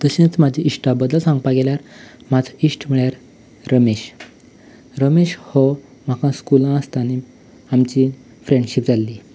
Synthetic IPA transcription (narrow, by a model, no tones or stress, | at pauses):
t̪əɕẽt͡smad͡ʑʱiiʂʈabəd̪əlsãŋɡpaɡeljaɾmad͡zʱaisʈm̤iɭjaɾ | ɾəmeɕ | ɾəmeɕhɔ | m̤akãskulãəst̪añi | amt͡ɕi | fɾeɳɖɕipd͡zalːiː